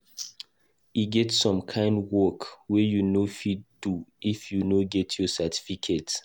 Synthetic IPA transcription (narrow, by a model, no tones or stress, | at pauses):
iɡɛtsɔ̃mkʰãɪ̃ndwɔkwɛjunofidduifjunoɡɛtʰjɔsatʰi̥fikʰet